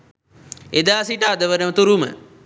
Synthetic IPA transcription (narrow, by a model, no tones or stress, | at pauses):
ed̪aːsiʈəad̪əʋənəmət̪uɾumə̰